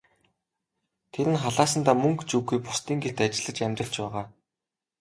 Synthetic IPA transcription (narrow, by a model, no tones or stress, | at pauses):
t̪ʰeɾɘ̆nχaɮaːs̬ə̆nt̪aːmɵŋkt͡ɕuːɡujpʊst̪iːŋɡet̪at͡ɕɪ̆ɮə̆t͡ɕæmʲt̪rə̆ɬt͡ɕpæːʁaː